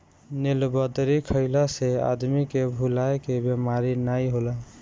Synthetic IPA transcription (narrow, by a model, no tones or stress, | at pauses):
nilbəd̪ɾikʰəɪlasea̰d̪mikebʱulaekebjemaɾinajɦolə